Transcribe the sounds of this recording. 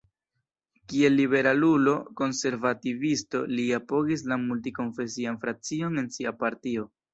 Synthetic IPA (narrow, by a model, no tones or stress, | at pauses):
kie̞lːibe̞ɾalulo̞ko̞nse̞ɾvativisto̞liapo̞ɡis̬lamultiko̞nfe̞sianfɾat͡sio̞ne̞nsiapaɾtio̞